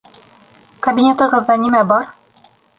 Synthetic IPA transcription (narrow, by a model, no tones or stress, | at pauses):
kɐbʲinʲet̪ɤ̆ʁɤ̆ðːɑnimæbɒɾ